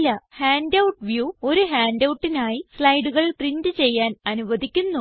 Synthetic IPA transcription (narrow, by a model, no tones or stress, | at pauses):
lːɐhaːndɐwʈʋjuːo̞ɾuɦaːndɐwʈːinaːjisɭɐjɽuɣɐɭʈrindɨt͡ɕe̞jːaːnɐnuʋɐd̪ʱikʲːunːu